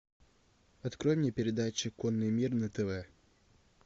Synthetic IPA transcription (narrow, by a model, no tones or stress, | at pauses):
ɐt̪kɾojmnʲepʲɪɾʲɪd̪at͡ɕɪkonːɨjmʲirnət̪ɛvɛ